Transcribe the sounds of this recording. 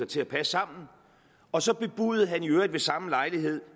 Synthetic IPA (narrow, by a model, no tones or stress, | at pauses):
ɑt͡sʰe̝æpʰæssɑ̈m̰n̩ | ɒ̽sɒ̽b̥e̝b̥uːð̩ˠɦænjøɐd̥ʋe̝sɑ̈məlɑ̈ɪliɦe̝ð̞̰ˠ